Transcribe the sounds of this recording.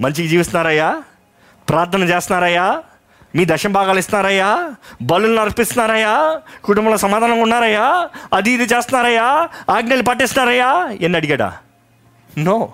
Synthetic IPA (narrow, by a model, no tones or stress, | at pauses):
mɐɲt͡ʃikid͡ʒiːʋist̪unaːɾɐjaː | pɾaːɾt̪ʰɐnɐmt͡ʃeɛːst̪unaːɾɐjaː | miːd̪ɐʃɐmbʱaːɡaːlist̪unaːɾɐjaːbɐlulnɐɾɐpist̪unaːɾɐjaːkuʈumbɐlɐsɐmaːd̪aːnɐŋkunːaːɾɐjaːɐd̪iːd̪it͡ʃeːst̪unːaːɾɐjaːaːɡnelipɐʈ̬ːist̪naːɾɐjaːenːiɐɽiɡɐːɽa̰ː | noː